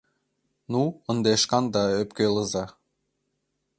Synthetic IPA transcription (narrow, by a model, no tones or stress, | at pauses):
nuə̆nd̪eʃkɑnd̪ɑøpkelɤzɑ